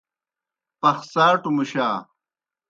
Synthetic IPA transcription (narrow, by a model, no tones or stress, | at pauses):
pɐxsaːʈumuɕaː